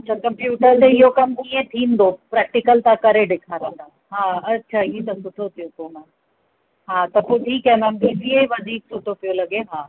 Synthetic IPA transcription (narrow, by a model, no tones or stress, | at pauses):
ɐtːʃʰakɐ̃mpjuːʈəɾt̪eɪɦokɐmk̪iːẽt̪ʰĩːnd̪opɾɛːk̚ʈɪkəlt̪akɐɾeɖɪkʰaɾĩːnd̪aː | ɦãːɐtːʃʰaiet̪ɐsʊʈʰot̪ʰijot̪oːnãː | ɦãːt̪ɐpoʈʰikɦɛ̃nãnd̪iːsieʋɐd̪ʱiːksʊʈʰot̪ʰijolɐɡeɦãː